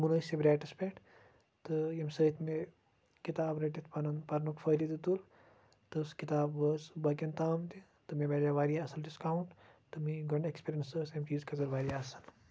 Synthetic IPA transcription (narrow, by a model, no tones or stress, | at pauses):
munɐːsibɾaːʈispeʈ | t̪ɨemsəːt̪ʰme | kit̪aːbɾɐʈit̪ʰpɐnɐnpɐɾnukfɐːɾid̪it̪ul | t̪ɨskit̪aːbʋəːsbɐkɐnt̪aːmt̪i | t̪ɨmẽbeːɾaːʋaːɾijaɐsɐlɖiskaːwuɳʈt̪ɨmiɡɐɳɖekspiɾjɐnsəːsemʈiːzkɐzɐɾʋaːɾijaɐsɐl